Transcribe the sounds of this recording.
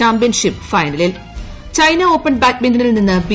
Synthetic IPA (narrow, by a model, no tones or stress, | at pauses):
aːmpijɐnʂipːfɐjnɐlil | t͡ɕɐjnɐo̞ːpːɐɳbaːt̚mendinilninːɨbi